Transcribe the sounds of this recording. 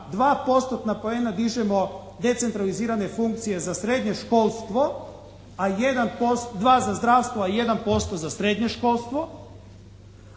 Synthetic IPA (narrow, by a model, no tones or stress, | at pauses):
d̪ʋaːpo̞st̪ot̪napoenad̪iʒemo̞ | d̪e̞t̪se̞nt̪ɾaliziːɾane̞fuŋk̚t̪sije̞zasɾe̞d̪ɲe̞ʃko̞ːlˠst̪ʋo̞ | ajed̪anpost̪d̪ʋaːzazd̪ɾaːʋst̪ʋoaje̞d̪anpo̞st̪o̞zasɾed̪ɲeʃko̞lˠst̪ʋo̞